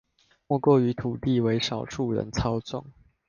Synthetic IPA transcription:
mwɔ˥˧kwɔ˥˩y˨˥t̪ʰu˨˩t̪i˥˨we˧˦ɪʂɑ˨˩ʊʈ͡ʂʰu˥˩ɻə̰˧˦nt͡sʰɑ˥ʊt͡sʊ̰˥˨˩ŋ

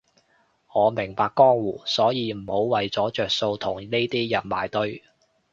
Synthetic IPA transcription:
ŋɔː˨˧mɪ˨˩ŋpaː˧kːɔː˥ŋwuː˨˩sɔː˨˥jiː˨˧m̩˨˩ho˨˧wwɐ˨jt͡sɔː˨˥t͡ʃœː˨k̚so˧wt̪ʰʊ˨˩ŋne˥t̪iː˥jɐ˨˩nma̰ː˨˩jt̪ɵ˥˧ɥ

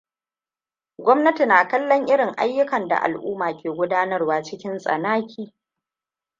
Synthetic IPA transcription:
ɡʷɔ˦mnɐ˦ti˨naː˨kɐ˦lːɔ˦ŋʔɪ˦ɽɪ˨ŋʔa̰˦jːʊ˦kɐ˨nda̰˨ʔa̰˨lʔṵː˦maː˨kʲeː˨ɡʷʊ˦daː˦nɐ˦rwaː˦t͡ʃɪ˦kʲɪ˦nsʼɐ̰˨naː˦kʲʰiː˦

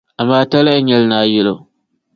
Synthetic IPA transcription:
a˨mːaː˦ta˦la˦ɪ˦ɲɛ˦lnaː˨˦jɪ˦lo˨

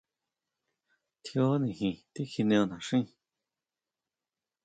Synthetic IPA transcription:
t̪ʰjo˦nĩ˧˨ɦĩ˧˨t̪i˦xi˧nẽ˧õ˧nã˨ʂĩ˦˨

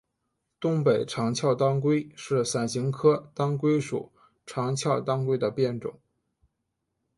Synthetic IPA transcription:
t̪ʊ˥ŋpe˨˩ɪʈ͡ʂʰɑ˧˥ŋt͡ɕʰjɑ˥˧ʊt̪ɑ˥ŋkwe˥ɪʂɻ̩˥˩sa˨˩nɕi˧˥ŋkʰɤ˥t̪ɑ˥ŋkwe˥ɪʂṵ˨˩˦ | ʈ͡ʂʰɑ˧˥ŋt͡ɕʰjɑ˥˩ʊt̪ɑ˥ŋkwe˥ɪd̪ə˧pjɛ˥˩nʈ͡ʂʊ̰˨˩˦ŋ

